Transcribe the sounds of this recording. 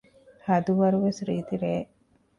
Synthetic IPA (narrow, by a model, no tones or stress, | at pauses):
hɐd̪uʋɐɾʋesɾiːt̪iɾeː